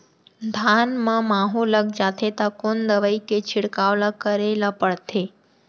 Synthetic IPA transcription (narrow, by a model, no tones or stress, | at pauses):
d̪ʱanmãmaɦuləɡ̚d͡ʒat̪ʰet̪akond̪əʋəiket͡ʃʰɪɽkaʋlakəɾelapəɭt̪ʰe